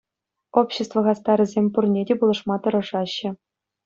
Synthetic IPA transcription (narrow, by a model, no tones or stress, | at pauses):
opɕĕst̪vɤ̆ʁɑst̪ɑɾɘ̆zʲemʲpurnʲedʲepulˠɤ̆ʂmɑt̪ɤ̆ɾɤ̆ʐɑɕːɘ̆